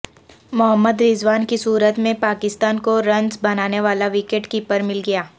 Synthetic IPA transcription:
mʊɦəmːəd̪ɾɪzʋaːnkisuːɾət̪mẽpaːkɪst̪aːnkoɾɐ̃nzbɐnaːneʋaːlaʋɪkeːʈkipəɾmɪlɡɐjaː

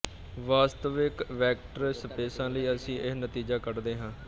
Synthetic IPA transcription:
ʋaːst̪əʋɪkʋɛːk̚ʈəɾsəpeːsãːləiːəsĩːʔɪɦnət̪iːd͡ʒaːkəɾd̪eːɦãː

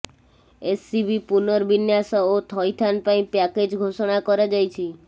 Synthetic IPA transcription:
esːibipunɔɾbinjasɔot̪ʰɔjt̪ʰanpaĩpaked͡ʒɡʱoʃɔɽ̃akɔɾad͡ʒajt͡ʃʰi

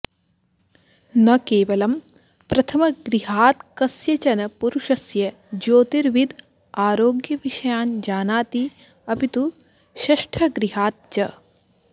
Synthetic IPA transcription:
nɐkeːʋɐlɐm | pɾɐt̪ʰɐmɐɡɾiɦaːt̪kɐsjɐt͡ʃɐnɐpuɾuʃɐsjɐ | d͡ʒoːt̪iɾʋid̪ | aːɾoːɡjɐʋiʃɐjaːnd͡ʒaːnaːt̪i | ɐpit̪u | ʃɐʃʈʰɐɡɾiɦaːt̪̚t͡ʃɐ

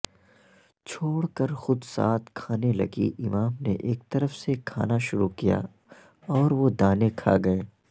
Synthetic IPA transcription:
t͡ʃʰoːɽkəɾxʊd̪sa̰ːt̪kʰaːnelɐ̰ɡḭʔɪmaːmnḛʔeːkt̪ɐɾəfsekʰa̰ːnaʃʊɾukija̰ː | ɔːɾʋod̪aːnekʰa̰ːɡɐeː

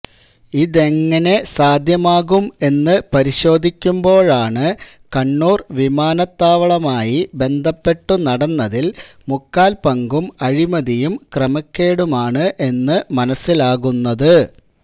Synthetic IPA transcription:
iðe̞ŋːɐne̞saːd̪ʱjɐmaːɣume̞nːɨpɐɾiɕo̞ːd̪ʱikʲːumbo̞ːɭaːɳɨ | kɐɳːuːrʋimaːnɐt̪ːaːʋɐɭɐmaːjibe̞nd̪ʱɐpːe̞ʈːunɐɽɐnːɐðil | mukːaːlpɐŋɡumɐɻimɐðijumkrɐmɐkʲːeːɽumaːɳɨʔe̞nːɨmɐnɐsːilaːɣunːɐðɨ

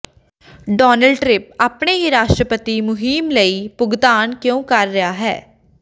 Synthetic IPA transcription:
ɖɔːnəlɖʈɾɪp̚aːpɳeːɾaːʃʈɾəpət̪iːmʊɦiːmləiːpʊɡt̪aːnkjõːkəɾːɪjaːɦɛ̰ː

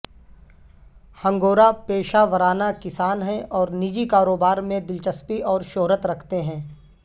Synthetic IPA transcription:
hɐ̃ŋɡoːɾapeːʃaʋəɾaːnakɪsaːnɦɛ̃ʔɔːɾnid͡ʒikaːɾoːbaːɾmẽd̪ɪlt͡ʃəspiʔɔːɾʃoːɾət̪ɾɐkʰt̪eɦɛ̃ː

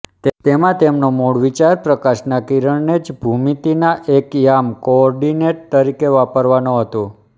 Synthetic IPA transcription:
t̪t̪emãt̪emnomoɽʋit͡ʃaɾpɾəkaʃnakiɾəɳned͡ʒbʱumit̪inaʔekjamkoɔɾɖineʈ̚t̪əɾikeʋapəɾʋanõɦət̪ũ

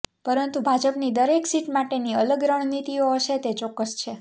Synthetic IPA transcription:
pəɾənt̪ubʱad͡ʒəpnid̪əɾeksiʈmaʈeniələɡɾəɳ̃nit̪ioɦəʃet̪et͡ʃɔkːəst͡ʃʰe

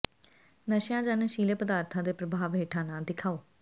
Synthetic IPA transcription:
nəʃjãːd͡ʒənʃiːleːpəd̪aːɾt̪ʰãːd̪eːpɾəbʱaːʋɦeːʈʰãːnãːd̪ɪkʰaːoː

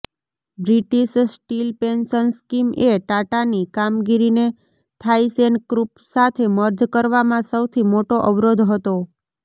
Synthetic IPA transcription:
bɾiʈiʃsʈilpensənskimeʈaʈanikamɡiɾine | t̪ʰaisenkɾupsat̪ʰeməɾd͡ʒkəɾʋamãsəwt̪ʰimoʈoʔəʋɾod̪ʱɦət̪o

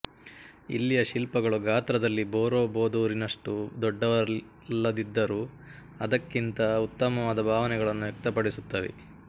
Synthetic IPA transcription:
ḭlːijɐʃilpɐɡɐɭuɡʱaːt̪ɾɐd̪ɐlːiboːɾoːboːd̪uːɾinɐʂʈud̪ɔɖːɐʋɐ | lːɐd̪id̪ːɐɾuː | ɐd̪ɐkːint̪ɐut̪ːɐmɐʋaːd̪ɐbʱaːʋɐnɛɡɐɭɐnːuʋjɐk̚t̪ɐpɐɽisut̪ːɐːʋḛ

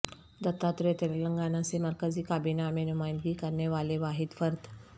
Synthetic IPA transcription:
d̪ət̪ːat̪ɾet̪elləŋɡanaseməɾkəd͡ziːkabinamenumajnd̪ɡiːkəɾɳjeʋaleʋaɦid̪fəɾt̪

